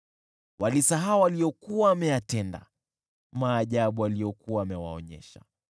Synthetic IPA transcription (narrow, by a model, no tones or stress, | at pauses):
walisaɦaɔwaliɔkuwaːmɛjatɛnda̰ | maːʄaɓualijɔkuwaːmɛwa̰ɔ̰ɲɛ̰ʃa̰